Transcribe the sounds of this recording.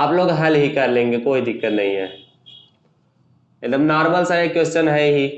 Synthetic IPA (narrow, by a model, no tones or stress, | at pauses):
aːploːɡɦɐlɦikɐɾlẽːŋɡekoːid̪ɪkːət̪nɐɦḭ̃ɦɛ̰ː | ed̪əmnaːɾməlsaekːwest͡ʃənɦɛɦi